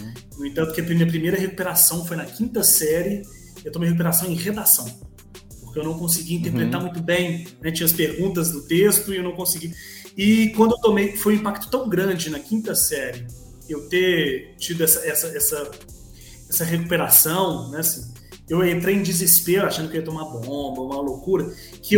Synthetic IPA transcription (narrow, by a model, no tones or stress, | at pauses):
nʊẽt̪ɐ̃nt̪ʊkɪɐpɾmĩɐpɾimejɾɐɦeku̥peɾasɐ̃w̃fojnɐkĩnt̪ɐsɛɾjɪ | ewt̪omejhekup̬eɾasɐ̃w̃ẽj̃ʁed̪asɐ̃w̃ | poɾkeewnɐ̃w̃kõsiɡiĩnt̪eɾpɾet̪amũj̃t̪ʊbẽj̃nɛt͡ʃĩɲɐspeɾɡũt̪ɐzd̪ʊt̪est̪ʊɪewnɐ̃w̃kõsiɡiɪkwɐ̃nd̪ʊewt̪omejfojũĩpak̚t̪ʊ̥t̪ɐ̃w̃ɡɾɐ̃d͡ʒɪnɐkĩt̪ɐsɛɾɪ | ewt̪et͡ʃid̪ʊɛsɐɛsɐɛsɐ | ɛsɐɦeku̥peɾasɐ̃w̃nɛasĩ | ewẽnt̪ɾejẽd͡ʒɪzɪspeɾʊaʃɐ̃d̪ʊkeiɐt̪õumabõbɐũmɐlokuɾɐ | kʰɪew